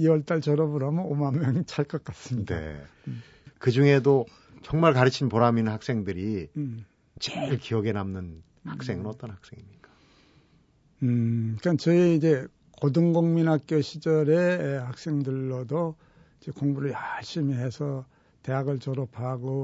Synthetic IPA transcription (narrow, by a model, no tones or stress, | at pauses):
iwʌɭt͈aɭt͡ɕʌɾʌbɯɾamʌnomanːjʌŋit͡ɕʰaɭk͈ʌk͈as͈ɯmɲidnḛ | kɯd͡ʑuŋe̞do | t͡ɕʌŋmaɭkaɾɯt͡ɕʰinpoɾaminnhak̚s͈e̞ŋdɯɾi | t͡ɕeɭkiʌɡe̞namnɯn | hak̚s͈e̞ŋɯnʌt͈ʌnhak̚s͈e̞ŋimɲik͈ḁ | kʌnt͡ɕʌiid͡ʑe̞ | kodɯŋɡoŋminɦak̚k͈joɕʰid͡ʑʌɾe̞hak̚s͈e̞ŋdɯɭːodo | id͡ʑe̞koŋbuɾɯɭjaɭɕ͈imiɦe̞sʰʌ | te̞ɦaɡɯɭt͡ɕʌɾʌpʰaɡo